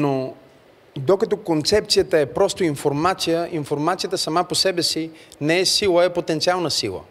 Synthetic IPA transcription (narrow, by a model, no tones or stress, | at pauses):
no | d̪okɐt̪ɔkont̪sɛp̚t̪sijət̪əɛpɾɔst̪oinfoɾmat̪sijəʔinfoɾmat̪sijət̪əsɐmaposɛbɛsinɛɛsilˠəɛpot̪ɛnt̪sialˠnəsḭlˠə̰